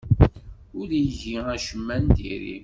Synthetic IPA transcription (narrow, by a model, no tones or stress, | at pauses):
ʊlijəʝiæʃəmːænt̪ḭɾḭ